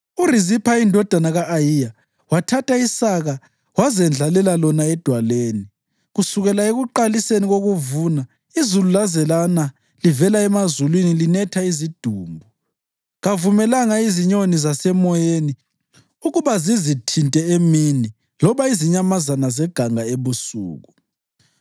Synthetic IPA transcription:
urizipʰaindʱɔd̥ʱanaɣaʔːjija | watʰatʰaisaɣa | wazɛnd͡ɮʱalɛlalɔnaɛd̥ʱwaleːni | ɣusuɣɛlaeɣuǃaliseniɣoɣuvuna | izululazɛlana | livɛlaɛmazulwinilinɛtʰaizid̥ʱuːmbʱu | ɣavumɛlaŋaiziɲonizasɛmɔjeni | uɣuβazizitʰintʼɛemini | lɔβaiziɲamazanazɛɡ̥ʱaŋaeβusṵːɣu

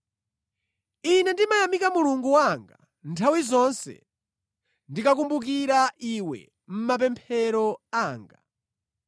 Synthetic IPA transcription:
inɛndimajamikamuluŋɡuwaŋɡa | ntʰawizɔnsɛ̰ | ndikakumbuk̬iɾaʔiwɛ̰ | m̩map̬ɛmpʰɛɾɔaːŋɡa̰

